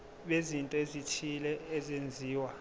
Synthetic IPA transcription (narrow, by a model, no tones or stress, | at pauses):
ɓezintʼɔezit͡ʃʰilɛːzend͡zʱiːwa